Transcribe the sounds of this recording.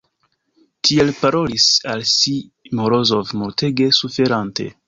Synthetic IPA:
tʰielpaɾo̞lisalsi | moɾozovmoɾteɡe̞sufe̞ɾante̞̰

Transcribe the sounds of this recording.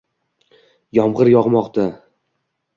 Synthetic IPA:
jɒmʁɨɾjɒʁmɒqt̪ʰa

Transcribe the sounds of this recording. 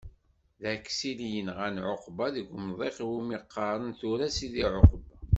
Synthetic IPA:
ðækːsilijənʁænʕoqbɑðəɡʷmðˤeχwimiqːɑɾˤənθʊɾæsiðiʕoqb

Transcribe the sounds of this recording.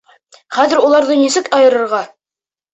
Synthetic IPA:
χæðɘɾulˠɑɾðɤnisɘkɑjɤ̆ɾɤ̆ɾʁɑ

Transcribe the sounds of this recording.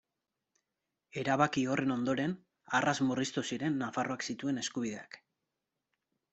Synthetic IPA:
e̞ɾaβakio̞re̞no̞nd̪o̞ɾe̞n | arazmurist̪usiɾe̞nːafaro̞aksit̪ue̞ne̞skuβiðe̞ak

